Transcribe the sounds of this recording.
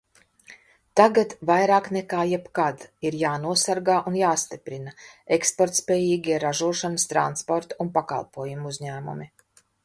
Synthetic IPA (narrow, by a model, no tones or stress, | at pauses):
t̪aɡat̪vajɾaːknɛkaːjɛpkad̪iɾjaːnuɔsaɾɡaːʔunjaːst̪ipɾinaekspɔɾt̪spʲɛːjiːɡʲiɛɾaʒuɔʃanəst̪ɾant̪spɔɾt̪aunpaka̰lˠpuɔjumuzʲɲæːmṵmi